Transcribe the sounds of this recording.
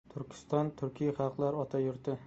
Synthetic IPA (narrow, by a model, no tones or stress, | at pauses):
t̪ʰʊɾkʲʰɪ̥st̪ɒnt̪ʰʊɾkʲʰijχɑqlˠaɾɒt̪ʰajʊɾt̪ɪ